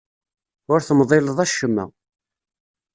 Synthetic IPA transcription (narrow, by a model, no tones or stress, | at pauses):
ʊɾθəmðˤeləðˤæʃːəmːæ̰